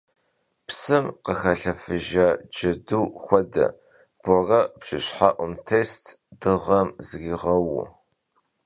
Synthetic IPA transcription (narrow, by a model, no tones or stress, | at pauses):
psɨmqəxɐɬɐfɨʒaːd͡ʒɐduːxʷɔdɐ̰ | b̥ɔrɐpɕɪ̰ɕħaʔʷʊmtʰeːstʰd̥ɨʁɐmzɣiʁɐwʊ̰